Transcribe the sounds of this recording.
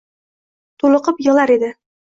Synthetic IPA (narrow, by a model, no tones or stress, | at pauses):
t̪ʰulˠɤ̆qɤpjɤ̆lˠaɾed̪ɪ